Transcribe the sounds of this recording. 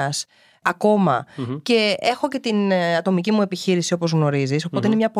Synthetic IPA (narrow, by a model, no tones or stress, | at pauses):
ɐs | ɐko̞mɐ̰ce̞e̞xo̞ce̞t̪inɐt̪o̞micimue̞piçiɾisio̞po̞zɣno̞ɾiziso̞po̞t̪eineɲɐpo